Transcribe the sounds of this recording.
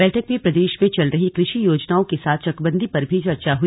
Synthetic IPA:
ɛːʈʰəkmẽpɾɐd̪eːʃmẽt͡ʃɐlɾɐɦikɾɪʃijoːd͡ʒnaːõkesaːt̪ʰt͡ʃɐkbə̃nd̪ʱipɐɾbʱit͡ʃɐɾt͡ʃaɦu

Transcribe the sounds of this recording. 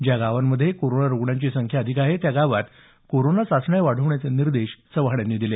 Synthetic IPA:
d͡ʑjaɡaʋanːəd̪ʱːjekoɾonaɾoɡɳjãɲt͡ɕisəŋkʰjaəd̪ʱikaɦet̪jaɡaʋat̪ | koɾonasasɳajʋaɽ̤əʋɳjat͡seniɾd̪eɕsəʋɦɳjanːiːd̪ile

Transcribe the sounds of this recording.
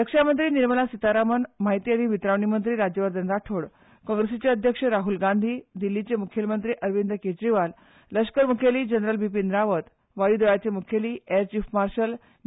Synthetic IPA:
jəkʂamənt̪ɾiːniɾməlasit̪aɾamənmaɦit̪iad̪iːʋit̪ɾaʋɳimənt̪ɾiːɾad͡ʑjəʋəɾd̪ənɾaʈʰoɽ | kɔ̃ŋɡɾesit͡seəd̪ʱjəkʂəɾaɦulɡand̪ʱiːd̪ilːit͡semukʰjəlmənt̪ɾiːʔəɾʋind̪ʱəked͡ʑɾiʋal | ləskəɾmukʰjeliːd͡ʑənɾəlbip̬ind̪ɾaʋət̪ | ʋaɽiːd̪əɭat͡semukʰjeliːeɾt͡ɕifmaɾɕəl

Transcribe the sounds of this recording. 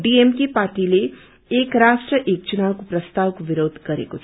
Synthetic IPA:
ɖiemkipaɾʈileː | kɾasʈrəʔek̚t͡ʃunawkoprʌst̪awkobiɾod̪ʱɡʌɾḛkot͡sʰ

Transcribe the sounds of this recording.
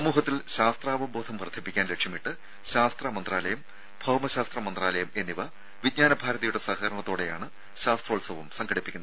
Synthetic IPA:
sɐmuːɦɐt̪ːilɕaːst̪raːbɐbo̞ːd̪ʰʱɐmprɐd̪ʰʱipːikʲːaːnle̞kʂjɐmiʈːɨ | ɕaːst̪rɐmɐnd̪raːlɐjɐm | bʱɐwɐmɐɕaːst̪rɐmɐnd̪raːlɐjɐme̞nːiʋɐ | ʋid̚ɲaːnɐbʱaːɾɐðɐjuɽe̞sɐhɐɾɐɳɐt̪ːo̞ːɽe̞jaːɳɨ | ɕaːst̪rɐːɭsɐʋɐmsɐŋɡʰʱɐɽipːikʲːuɐɐ

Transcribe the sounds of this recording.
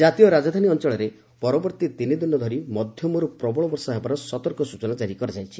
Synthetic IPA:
d͡ʒat̪ijɔɾad͡ʒɔd̪ʱaniɔnt͡ʃɔɭɔɾe | pɔɾɔbɔɾt̪it̪inid̪inːɔd̪ʱɔɾimɔd̪ʱjɔmɔɾupɾɔbɔɭɔbɔɾsɔɦebaɾɔsɔt̪ɔɾkɔsut͡ʃɔnat͡ʃaɾikɔɾad͡ʒajt͡ʃʰi

